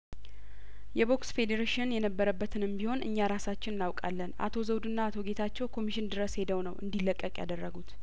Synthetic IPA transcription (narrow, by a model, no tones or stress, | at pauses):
jɛbo̞ksfe̞d̪eɾeʃɪnjɛnəbːəɾəbːət̪ʰɨnɨmbiho̞nɨ̰ɲːaɾasat͡ʃːɪnɨnawkʼa̰lːəna̰t̪ʰo̞zəwd̪ɨnːaːt̪ʰo̞ɡe̞t̪ʰat͡ʃːɛwkʰo̞miʃɪnd̪ɨɾəshe̞d̪əwnəwʔɨ̰nd̪ilːəkʼːəkʼja̰d̪ərːəɡut̪